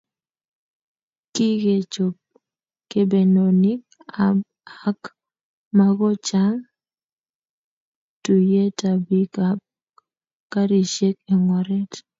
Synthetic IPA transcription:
ki˦ɡe˨t͡ʃo˨p̚ | ke˦be˨no˨ni˦ | a˦k | ma˦ɡɔ˦t͡ʃa˦ŋ | tu˨je˦ta˨bi˦kap̚ | ka˦ɾi˨ʃe˦ke˨ŋwɔ˨ɾɛ˦t

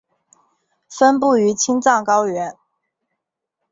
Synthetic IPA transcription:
fə˥np̬u˥˩y˧˥t͡ɕʰi˥ŋt͡sɑ˥˩ŋkɑ˥ʊɥɛ˧˥n

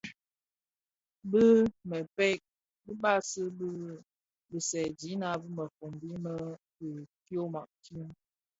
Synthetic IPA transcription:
bə˦mə˨pɛ˦k̚ | bə˦ɓa˦sə˦bə˦ | bə˨sɛ˨d͡ʒi˨˦na˨˦bɨ˦mə˨fo˨mbi˦mə˦ | bə˨ko˦ma̰˨ʔti˦m

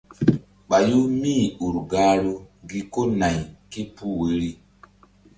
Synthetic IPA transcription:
ɓa˨ju˦mi˦˨u˨ɾɡa˦ɾu˦ɡi˦ko˦na˨jki˦pu˦we˨˦ɾi˦

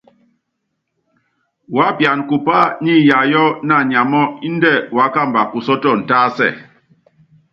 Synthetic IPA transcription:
wa˨˦pja˨nku˨pa˦ɲi˦ja˨jɔ˦na˦˨ɲa˨mɔ˦i˦n̩˦dɛ˦˨wa˨˦ka˦˨mba˨ku˨sɔ˦tɔ˦˨n̩˨taː˦sɛ̰˦˨

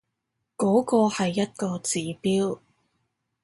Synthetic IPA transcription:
kɔː˨˥kɔː˧hɐ˨jːɐ˥t̚kɔː˧t͡siː˨˧piː˥w

